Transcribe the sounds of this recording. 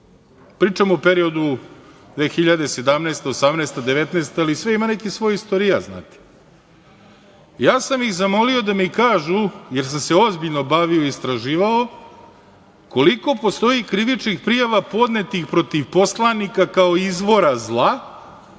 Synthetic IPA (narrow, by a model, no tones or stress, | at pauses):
pɾiːt͡ʃamope̞ɾio̞d̪ud̪ʋe̞ːxiʎad̪e̞se̞d̪amneːst̪eosamneːst̪ad̪eʋe̞t̪neːst̪aalisʋeimanekisʋo̞jist̪oɾijazna̰ːt̪e̥ | jaːsamixzamo̞lio̞d̪amikaːʒuje̞ɾs̬amseo̞zbiʎno̞baʋioist̪ɾaʒiːʋao | ko̞liko̞po̞st̪o̞ikɾiʋit͡ʃnixpɾijaʋapo̞d̪ne̞t̪ixpɾo̞t̪iʋpo̞slˠanikakao̞izʋo̞ɾazlˠa